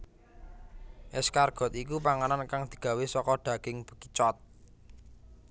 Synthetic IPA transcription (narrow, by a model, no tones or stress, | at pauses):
ʔɪskarɡ̥ɔ̤t̪ik̬upaŋanankaŋd̪̥i̤ɡ̥a̤wesɔkɔɖ̪̥a̤ɡ̥ɪŋb̥ə̤̥kit͡ʃɔt̪̚